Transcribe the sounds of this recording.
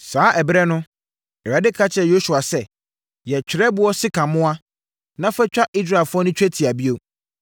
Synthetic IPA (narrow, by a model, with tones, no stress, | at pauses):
saː˨˦ʔɛ˨bɾɛ˦nʊ̃˦ | ɛ˨ɾa˨˦dɪ˦kʰa˦t͡ɕʰɛ˨jo˦su˨a˨sɛ˦ | jɛ˨t͡ɕᶣɪ˨ɾɛ˦bʊ˦ɔ˦sɪ˦kʰã˨mʊ̃˦a˦ | nã˦fɛ˦t͡ɕᶣa˦ʔi˦s̬ɾa˦˨lfʊ˦ɔ˦nʊ̃˦t͡ɕᶣɛ˦tʰi˨a˨bi˦o˦